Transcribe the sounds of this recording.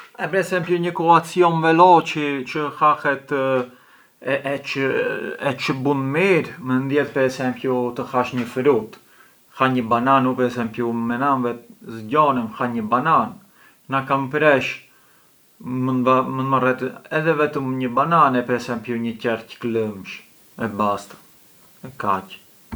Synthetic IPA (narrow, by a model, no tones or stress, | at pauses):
ɛpɾɛsɛmpjuɲəkɔat͡siɔnvɛlɔcət͡ʃəxahɛt̪ | ɛ | ɛt͡ʃəbunmiɾmənd̪jɛt̪̚pɛɾɛsɛmpjut̪əxaʃɲəfɾut̪ | xaɲəbananupɛɾɛsɛmpjumɛnanvɛt̪zɟɔnɛmxaɲəbanan | nakampɾɛʃ | məamənmarɛt̪əɛðɛvɛt̪əmɲəbananɛpɛɾɛsɛmpjuɲəcɛrcə̥kləmʃ | ɛbast̪ | ɛkac